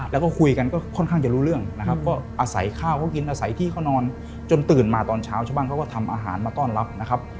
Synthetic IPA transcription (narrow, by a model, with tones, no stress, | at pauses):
lɛ˦˥wkɔː˥˩kʰu˧jka˧nkɔː˥˩kʰɔ˥˩nkʰaː˥˩ŋt͡ɕa˨˩ɾuː˦˥ɾɯ˥˩əŋna˦˥kʰa˦˥p̚kɔː˥˩ʔaː˧sa̰˩˦jkʰaː˥˩wkʰa˥˩wki˧nʔaː˧sa˩˦jt̪ʰiː˥˩kʰa˥˩wnɔː˧n | t͡ɕo˧nt̪ɯː˨˩nmaː˧t̪ɔː˧nt͡ɕʰaː˦˥wt͡ɕʰa˥˩wbaː˧˥˩ŋʰa˦˥˩kɔː˥˩t̪ʰa˧mʔa̰ː˧ɦa̰ː˩˦nmaː˧t̪ɔː˥˩nla˦˥p̚na˦˥kʰa˦˥p̚